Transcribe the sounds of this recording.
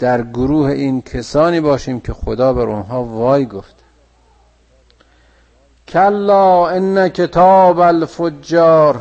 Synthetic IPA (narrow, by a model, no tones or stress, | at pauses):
d̪̥æɾɡoɾuːheʔiːnkʰesɒːniːbɒːʃiːmcʲʰexod̪ɒːbæɾʔonɦɒːvɒːjɡoft̪e̥ | kʰælːɒːenːækʰet̪ʰɒːbælfod͡ʒːɒːɾ